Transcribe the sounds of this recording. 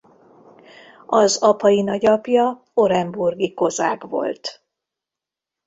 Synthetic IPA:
ɒzɒpɒjinɒɟɒpjɒ | o̞ɾɛmburɡiko̞zaːɡvo̞̰lt̪

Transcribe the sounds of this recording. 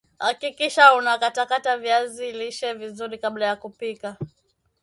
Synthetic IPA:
hakikiʃaunakatakatavjaziliʃɛvizuɾikaɓlajakupika

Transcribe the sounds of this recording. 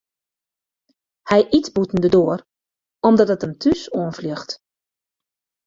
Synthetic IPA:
hɛjʔitbutn̩dədoər | ɔmdɔtətəntʰysoənflixt

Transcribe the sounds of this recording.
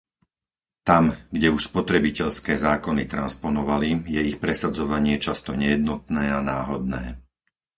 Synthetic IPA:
t̪amɡɟɛuʃspɔt̪ɾɛbicɛʎskɛːzaːkɔnit̪ɾanspɔnɔʋalijɛixpɾɛsad͡zɔʋaɲɪɛt͡ʃast̪ɔɲɛjɛd̪̚nɔt̪̚nɛːanaːɦɔd̪̚nɛ̰ː

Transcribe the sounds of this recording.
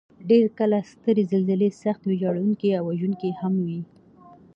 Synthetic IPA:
ɖeɾkəlast̪əɾezəlzɪlesaxt̪wed͡ʒɑɽawuŋkiawːaʒuŋkihamwi

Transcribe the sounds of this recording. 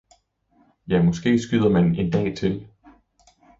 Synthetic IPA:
jæmɒ̽sɡ̥e̝̰ːsɡ̥yðˠɐmæne̝nd̥ɛ̰ːt͡sʰe̝l

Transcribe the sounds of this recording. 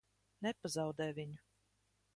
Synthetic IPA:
nɛpazɑwd̪ɛːjvʲiɲu

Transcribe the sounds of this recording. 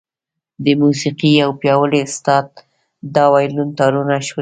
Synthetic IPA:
d̪əmusiqiawpjɑwəleʊst̪ɑd̪̚ | d̪ɑwɑjlunt̪ɑɾunaʃw

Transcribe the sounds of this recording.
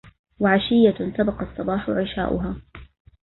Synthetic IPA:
waʕaʃɪjːasabɑqɑsˤːɑbɑːħʊʕɪʃa̰ːʔʊ̰ɦaː

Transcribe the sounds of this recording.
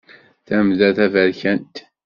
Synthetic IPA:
θæmðæθævæɾçænt̪

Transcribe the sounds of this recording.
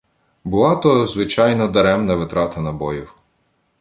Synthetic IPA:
bʊlˠɑt̪ɔjzʋɪt͡ʃɑjnɔd̪ɐɾɛmnɐʋɪt̪ɾɑt̪ɐnɐbɔjiw

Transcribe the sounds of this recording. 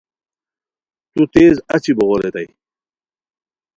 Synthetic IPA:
t̪ut̪eːzat͡ɕiboɣolet̪aj

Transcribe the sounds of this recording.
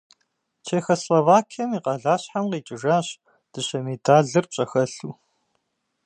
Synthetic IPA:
t͡ʃʰeːxɐslovaːkʰɐmiːqɐɮaːɕħamqiːt͡ʃʼɪʒaːɕ | d̥ɨɕɐmidaːɮɨrɕʼɐxɐɬuː

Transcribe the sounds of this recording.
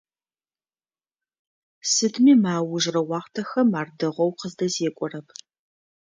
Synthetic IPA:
sɨdmiːmaːwʊʒrɐwɑːʁtʰɐxɐmaːrdɨʁʷɔwqəzdɐzeːkʷʼɔrɐpʰ

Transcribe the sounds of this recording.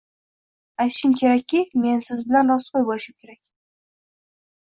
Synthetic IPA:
ajt̪ɪʃɪmkʲʰe̞ɾakʲːɪme̞nsɪzbɪlanɾɒsqʰojbolɪʃɪmkʲe̞ɾakʲ

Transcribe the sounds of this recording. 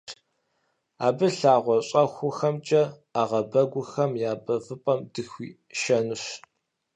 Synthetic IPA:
aːbɨɬaːʁʷɔɕʼɐxʷʊxɐmt͡ʃʼɐ | aːʁɐbɐɡʷʊxɐmjaːbɐvɨpʼɐmdɨxʷiː | ʃɐnɨɕ

